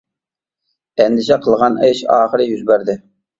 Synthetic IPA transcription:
ɛnd̪ɪʃɛqʰəlˠʁɑneʃɑ̰ːχəɾɨjyzbæɾd̪ɪ

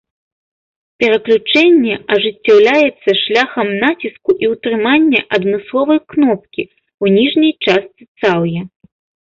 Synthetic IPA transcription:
pʲɛɾɐklʲut͡ʂɛnʲːɛɐʐɨt͡sʲːawlʲajɛt̪sːɐʂlʲaxɐmnat͡sʲiskuʔiwt̪ɾɨmanʲːɛʔɐd̪mɨslˠɔvɐjknɔp̚kʲi | wnʲiʐnʲɐjt͡ʂast̪sɨt̪sawjɐ

